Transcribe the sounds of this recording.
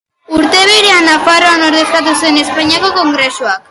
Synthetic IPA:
uɾt̪e̞βeɾeanafaɾoanoɾðe̞st̪at̪̬usue̞ne̞spaɲiako̞ko̞ŋɡɾe̞suak

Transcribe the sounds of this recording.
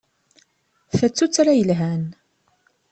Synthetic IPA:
θæt͡sːut͡sːɾajəlɦæn

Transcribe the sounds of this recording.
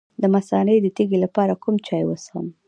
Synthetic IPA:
d̪əmasɑned̪ət̪iɡelapɑɾakumt͡ʃɑjwəsə̰m

